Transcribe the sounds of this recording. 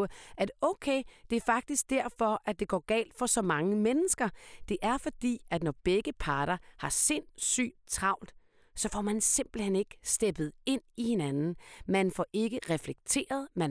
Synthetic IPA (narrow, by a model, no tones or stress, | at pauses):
æd̥ɔʊkʰeɪd̥e̝æɐfɑ̈ɡ̥̚d̥isɡ̥̚d̥æɐ̰fɒ̽ʔæd̥e̝ɡ̥ɒ̰ːɡ̥ɛ̰ːld̥fɒ̽sɒ̽mɑ̈ŋəmenəsɡ̥ɐd̥e̝ʔæɐfɒ̽d̥ḭːæd̥nɒb̥eɡ̥əpʰɑ̈ːɾɐhɑ̈se̝n̰sy̰ːt͡sʰʁɑ̈ʊ̰ld̥ | sɒ̽fɒmænse̝mb̥l̩hen̰e̝ɡ̥əsd̥eb̥ð̞̩ˠe̝n̰ihe̝nænn̩mænfɒʔe̝ɡ̥əʁɛfleɡ̥̚t͡sʰe̝̰ːɐð̞̩ˠmæn